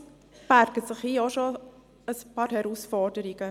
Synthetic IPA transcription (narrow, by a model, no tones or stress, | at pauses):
b̥æɾɡ̥ətsɪχhiːɔʃo | əspɑːɾhɛɾusfɔɾdəɾiɡ̥ə